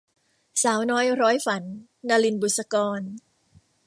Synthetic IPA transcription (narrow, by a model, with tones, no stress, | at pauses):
saː˩˦wnɔː˦˥jɾɔː˦˥jfa˩˦n | naː˧li˧nbuː˨˩t̪̚sa˧kɔː˧n